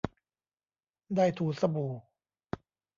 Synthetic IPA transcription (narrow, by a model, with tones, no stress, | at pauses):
daː˥˩jt̪ʰuː˨˩˦sa˧buː˨˩